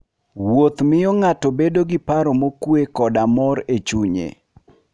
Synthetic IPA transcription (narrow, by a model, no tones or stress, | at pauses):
wot̪mɪjɔŋatɔbedoɡɪpaɾɔmokwekɔdamɔɾet͡ʃuɲḛ